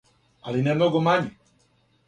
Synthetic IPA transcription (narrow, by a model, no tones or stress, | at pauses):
a̰linɛmoɡɔmaɲi